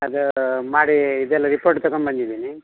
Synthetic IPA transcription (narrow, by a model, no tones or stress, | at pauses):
ɐd̪umaːɽiːd̪ɛlːɐɾipoɾʈt̪ɐɡonbɐnd̪id̪iːni